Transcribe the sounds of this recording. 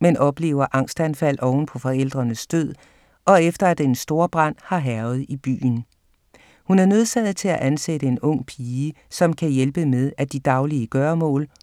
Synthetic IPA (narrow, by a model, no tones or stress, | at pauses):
menʔɒ̽b̥le̝̰ːʊɐʔɑ̈ŋ̰sd̥ænfæl̰ʔɒʊn̩pʰɒ̽fɒ̽el̰d̥ʁɐnəsd̥øð̰ˠ | ɒ̽efd̥ɐæd̥ensd̥o̝ːɐb̥ʁɑn̰hɑ̈ɦæɐʊð̩ˠib̥y̰ːn̩ | hunæɐnø̝ð̞ˠsɛð̩ˠt͡sʰe̝læʔænsedəe̝nɔ̽ŋ̰pʰiːə | sɒ̽mkʰæjelb̥əmeðˠæd̥id̥ɑ̈ʊliəɡ̥ɶːɐmɔ̰̽ːl